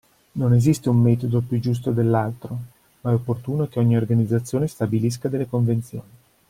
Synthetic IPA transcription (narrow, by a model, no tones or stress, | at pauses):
nonezist̪eumːɛt̪od̪opjud͡ʒus̬t̪od̪elːalt̪ɾo | maɛopːort̪uːnokeɔɲːiorɡanid̪zat̪sːjoːnest̪abilis̬kad̪elːekoɱvent̪sjo̰ːni